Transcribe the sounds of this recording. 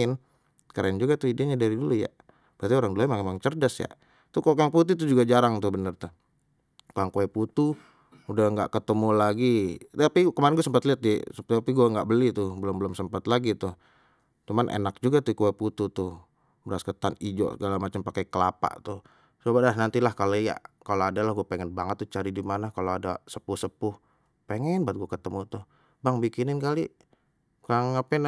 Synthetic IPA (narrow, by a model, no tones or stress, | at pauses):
ɪn | kaɾand͡ʒuɡat̪uidaɲadaɾiduluja̰ | bəat̪ioɾaŋdulamaŋemaŋt͡ʃərdasja̰ | t̪ʊkokaŋput̪̬ut̪̬ud͡ʒuɡad͡ʒaɾaŋt̪ʊhbənərt̪ʊ | koaŋkoɛput̪u | udahŋɡa̰ʔkət̪əmulaɡit̪apikəmaɾɪnɡuasəmpat̪liat̪̚isapiɡuaŋɡa̰ʔbəlit̪ʊhbəlʊmbəlʊmsəmpat̪laɡit̪ʊh | t͡ʃumanʔḛnak̚d͡ʒuɡat̪ukuaput̪ut̪ʊh | bəɾaskət̪anid͡ʒɔ̰ʔsəɡalamat͡ʃəmpakajkəlapa̰ʔt̪ʊh | səbabadaɦnant̪ilahkaloja̰kaloadalahɡuapeŋɛnbaŋət̪ːʊt͡ʃaɾidimanakaloadasəpʊhsəpʊh | peŋɛnbaat̪̚ɡuakət̪əmut̪ʊh | baŋbikinɪnkaliʔ | kaŋapaɪn